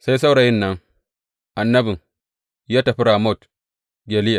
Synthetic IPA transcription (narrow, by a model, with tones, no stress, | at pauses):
sa˦jsa˦wɽa˨jɪ˦nːɐ˦ŋ | ʔa˨nːɐ˦bɪ˨ŋ | jaː˦tɐ˨ɸi˦ɾa˨mo˦˨t | ɡʲe˨lɪ˦ja˨